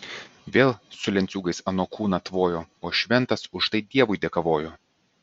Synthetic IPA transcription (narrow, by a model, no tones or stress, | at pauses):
ʋʲeːlˠsʊlʲɛnʲt̪sʲuːɡɐɪsɐnoːkʰuːnɐt̪ʋoːjoːoːʃʲʋʲɛnt̪ɐsʊʃt̪ɐɪd̪ʲiɛʋʊɪd̪ʲeːkɐʋoːjoː